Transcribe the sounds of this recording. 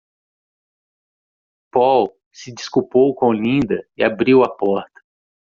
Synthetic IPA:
pɔw | sɪd͡ʒiskupowkõlĩnd̪ɐiabɾiwɐpɔɾt̪ɐ̥

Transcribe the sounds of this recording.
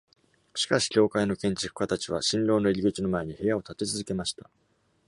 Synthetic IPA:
ɕi̥kaɕi̥kʲo̞ːkaino̞kẽ̞ɲ̟t͡ɕi̥kɯ̟̥kat̪at͡ɕiβ̞a̰ɕĩnɾo̞ːnoiɾʲiɡɯ̟t͡ɕino̞mae̞ɲ̟ihe̞jao̞t̪at̪e̞t͡sɨzɨke̞maɕi̥t̪a

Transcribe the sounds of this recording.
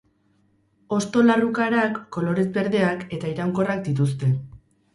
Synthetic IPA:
o̞st̪o̞larukaɾakːo̞lo̞ɾezbe̞ɾðe̞ake̞t̪aiɾawŋko̞rak̚d̪it̪̬ust̪e̞

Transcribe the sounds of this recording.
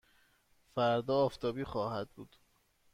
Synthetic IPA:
fæɾd̪ɒːft̪ʰɒːbiːxɒːhæd̪̚buːd̪̥

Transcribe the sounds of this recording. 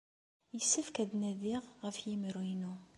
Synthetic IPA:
jəsːəfkæðnæðiʁːəfjimɾinu

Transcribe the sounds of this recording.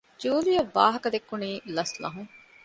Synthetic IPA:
d͡ʒuːlijabaːɦəkd̪ekːʊɳiːləslã̰ːɦũː

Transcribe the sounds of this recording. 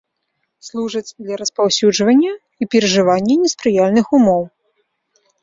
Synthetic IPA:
slˠuʐɐd͡zʲd̪lʲɐɾɐspawsʲud͡ʐvɐnʲːɐ | ipʲɛɾɐʐɨvanʲːɐnʲɛspɾɨjalʲnɨxumɔw

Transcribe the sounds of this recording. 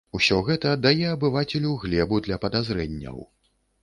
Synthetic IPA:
usʲɔɣɛt̪ɐd̪ajɛɐbɨvat͡sʲɛlʲuɣlʲɛbud̪lʲɐpɐd̪azɾɛnʲːɐ̰w

